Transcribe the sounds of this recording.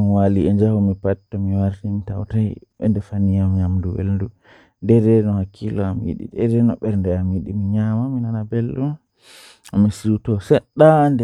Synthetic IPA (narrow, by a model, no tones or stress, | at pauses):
waliɛd͡ʒahumipatːamiwaɾtimita̰wtajɓɛ̰ndɛfanijamɲamduwḛldu | ndɛɾɛnɔhakʰːilɔamjḭɗḭdɛɾɛnɔ̰ɓɛɾndɛamjiɗimiɲamaminanabelːum | amisiɾutɔsɛɗandɛ